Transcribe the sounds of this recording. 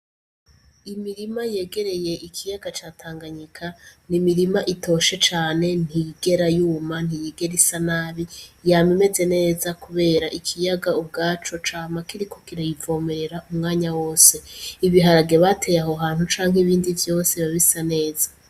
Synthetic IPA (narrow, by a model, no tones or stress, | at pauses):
imiɾimaje̞ːɡe̞ɾe̞je̞ʔikʰijaɡat͡ʃaːtʰaːŋɡaɲikʰanimiɾimaʔito̞ʃe̞t͡ʃaːne̞n̥hiɡe̞ɾajuːman̥ijeɡe̞ɾisanaːβijame̞me̞ze̞ne̞ːzakuβe̞ːɾaʔikʰijaɡaub̚ɡaːt͡ʃo̞t͡ʃaːmakiɾikʰo̞kiɾajivo̞ːme̞ɾe̞ɾaʔumŋaːɲawo̞ːse̞iβiɦaɾaɡeβatʰe̞jaɦoɦaːnhut͡ʃaːŋ̥eβiːndivjo̞ːse̞βaβisane̞ːz̥a